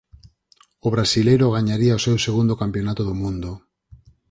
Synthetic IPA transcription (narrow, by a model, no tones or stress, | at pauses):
ʊβɾasilejɾʊɣ̞aɲaɾiaosewseɣund̪okampjonat̪oðomũnd̪o